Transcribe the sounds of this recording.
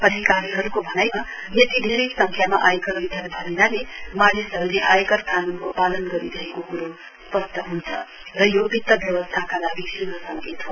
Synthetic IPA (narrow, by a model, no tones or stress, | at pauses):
ʌd̪ʱikaɾiɦʌɾukobʱʌnajnʌ | jʌt̪id̪ʱiɾʌjsʌŋkʰjamaʔajkʌrbid̪ʱʌnbʱʌninalemanisɦʌɾuleʔajkʌrkanunkopalʌnɡʌɾiɾʌɦekokuɾo | spʌst̪ʌɦunt͡sʰʌ̰ | rʌjobʱit̪ːʌbjʌwʌst̪ʰakanabiksiʌsʌŋket̪ɦo